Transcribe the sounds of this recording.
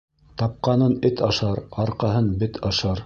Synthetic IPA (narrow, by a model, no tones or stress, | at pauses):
t̪ɑp̚qɑnɤnɘt̪ɑʃɑɾɑɾqɑɦɤnbɘt̪ʰɑʃɑɾ